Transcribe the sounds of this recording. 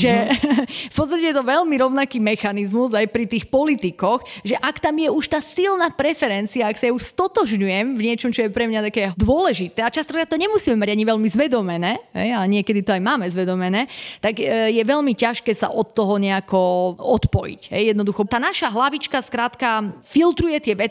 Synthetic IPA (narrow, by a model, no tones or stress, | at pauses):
ʒɛ | fpɔt̪s̬t̪acɛjɛt̪ɔʋɛlmiɾɔʊnakiːmɛxanizmuzajpɾit̪iːxpɔlit̪ikɔxʒɛʔakt̪amjɛuʃt̪aːsilnaːpɾɛfɛɾɛnt͡siaːksajɛuʃst̪ɔt̪ɔʒɲujɛmvɲɪɛt͡ʃɔmt͡ʃɔjɛpɾɛmɲat̪akɛːd̪ʊɔlɛʒit̪ɛːat͡ʃast̪ɔ̥kɾaːt̪̚t̪ɔɲɛmusiːmɛmaɟaɲiʋɛlmizʋɛd̪ɔmɛnɛːɦɛ̰jaɲɪɛkɛd̪it̪ɔajmaːmɛzʋɛd̪ɔmɛnɛːt̪aɡjɛʋɛlmicaʃkɛːsa̰ʔɔt̪ːɔɦɔɲɛakɔɔt̪pɔjḭcɦɛ̰jjɛd̪nɔd̪uxɔt̪aːnaʃaɦlaʋit͡ʃkaskɾaːt̪kafilt̪ɾujɛt̪ɪɛʋɛt͡s